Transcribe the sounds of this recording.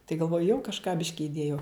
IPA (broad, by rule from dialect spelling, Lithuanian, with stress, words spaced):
tɐɪ ɡɐlˠˈʋoːjʊ jɛʊ kɐʃˈkɑː ˈbʲɪʃʲkʲɪ ɪˈdʲeːjɛʊ